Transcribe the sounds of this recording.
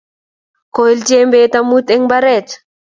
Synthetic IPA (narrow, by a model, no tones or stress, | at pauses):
kɔild͡ʒembet̪amut̪ɛŋbaɾɛt̪